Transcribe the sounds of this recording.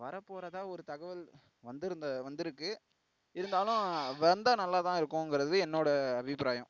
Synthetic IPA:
ʋɐɾɐpːoːɾɐðãːɔɾɯt̪ɐɣɐʋɪl | ʋɐnd̪ɪɾɯnd̪ɐʋɐnd̪ɪɾɯkːɯ | ɪɾɯnd̪aːlʊ̃ʋɐɐnd̪ɐnɐlːaːt̪ãːɪɾɯkːʊ̃ɛŋɡɪɾɐðɯɛnːoːɽɐɐbʱɪpɾaːjɐ̃m

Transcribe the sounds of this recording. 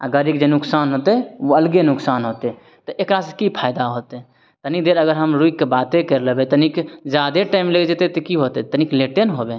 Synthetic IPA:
aɡəɾikd͡ʒenʊksanɦot̪ɛɦoəlɡenʊksanɦot̪e | t̪ɔʔekɾasekipʰajd̪aɦot̪ɛ | t̪ənikd̪eɾəɡəɾɦəmɾuikkebat̪ekeɾləbet̪ənikd͡ʒad̪eʈaɪmleɡd͡ʒet̪et̪ekiɦot̪ɛt̪ənikleʈenɦobe

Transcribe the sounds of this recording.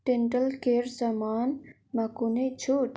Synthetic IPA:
ʈeɳʈəlkeːɾzɐmaːn | mɐkunet͡ɕʰuːʈ

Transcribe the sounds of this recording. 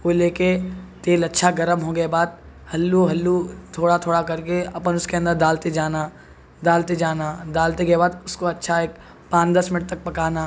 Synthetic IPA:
koleːket̪eːlɐtːʃʰaɡɐɾəmɦoːɡeebaːd̪̚ | hɐlːuɦɐlːut̪ʰoːɽat̪ʰoːɽakɐɾkeɐpənʊskeɐ̃nd̪əɾd̪aːlt̪ed͡ʒaːna | d̪aːlt̪ed͡ʒaːnad̪aːlt̪ekebaːd̪ʊskoɐtːʃʰaeːk | pãːt͡ʃd̪ɐsmɪnɪʈ̚t̪ɐk̚pɐkaːnaː

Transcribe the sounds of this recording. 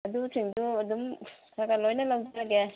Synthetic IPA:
ɐdutʰiŋduɐdumsʰaɡalojnɐlɐwdlaɡe

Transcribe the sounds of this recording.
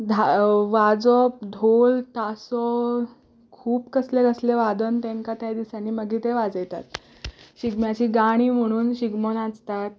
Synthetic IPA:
d̪ʱaʋad͡zɔpd̪ʱolt̪asɔ | kʰuːbkəsleɡəsleʋad̪ənt̪ẽŋkat̪jad̪isanːiːməɡiːt̪eʋad͡zəjt̪a̰t̪̚ | ɕiɡmjat͡ɕiːɡaɽ̃iːm̤əɽ̃uːnɕiɡmonat͡st̪at̪̚

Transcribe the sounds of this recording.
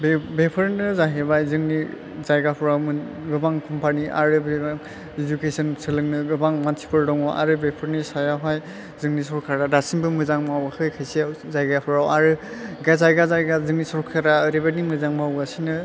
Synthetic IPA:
bbepʰɯɾnɯzaɦebajzɯŋni | zajɡapʰɔɾawmɯ | ɡɯbaŋkʰɔmpʰaniʔa̰ɾɯbeaŋ | id͡ʒukesɯnsɯlɯŋnɯɡɯbaŋmansʰi̥pɯɾdɔŋɔʔa̰ɾɯbepʰɯɾnisajaɦaj | zɯŋnisɔɾkʰaɾadasiŋbɯmɯzaŋmawakʰɯjkʰajsiawzajɡapʰɔɾawaɾɯɡazajɡazajɡazɯŋnisɔɾkʰaɾaɾebanimɯzaŋmawɡasinɯ

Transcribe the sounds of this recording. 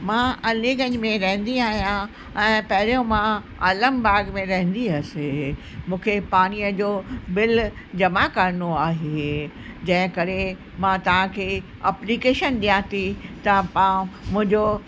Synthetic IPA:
mãɐliːɡə̃ɲmẽɾɐɦɪ̃nd̪iaːɦijã | ɛ̃ːpɐɦɪɾijõmã | ɐləmbaːɡmẽɾɐɦɪ̃nd̪iɐsɪ | mũːkʰepaːñiːəd͡ʑoːbɪl | d͡ʑɐmakɐɾnoaːɦe | d͡ʑɐ̃ɦɪ̃kɐɾe | mãt̪ɐʋ̤ãkʰeː | ɐplikeːʃənɗijãt̪ʰit̪ɐpãmʊ̃ɦɪ̃ɲd͡ʑo

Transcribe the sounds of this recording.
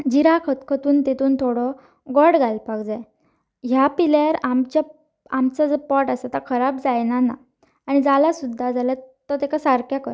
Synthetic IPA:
d͡ʑiɾakʰət̪kʰət̪uːnt̪et̪uːnt̪ʰoɽɔ | ɡɔɽɡalpaɡd͡zaj | ɦjapilaɾamt͡ɕa | amt͡sad͡zəpɔʈasat̪akʰəɾabd͡zajnanaː | ɽ̃id͡zalasud̪ʱːad͡zʱaljat̪ɔt̪ekasaɾkʰjakəɾ

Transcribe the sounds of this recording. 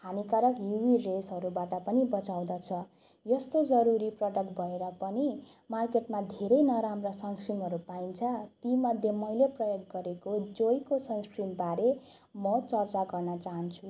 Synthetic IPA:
hanikaɾʌkjuwiresɦʌɾubaʈʌpʌnibʌt͡saw̃d̪at͡sʰʌ | jʌst̪od͡zʌɾuɾiprʌɖʌkbʱʌeɾʌpʌni | markeʈmad̪ʱeɾʌjnʌɾamrasʌnskrimɦʌɾupaint͡sʰʌt̪imʌd̪ʱjemʌjleprʌjoɡːʌɾekod͡zojkosʌnskrimbaɾe | mʌt͡sʌrt͡saɡʌrnʌt͡saɦʌnt͡sʰu

